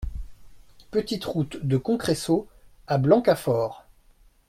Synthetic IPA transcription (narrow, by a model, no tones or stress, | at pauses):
pət̪it̪ʁut̪d̪əkɔ̃kχeso | ablɑ̃kafɔːʁ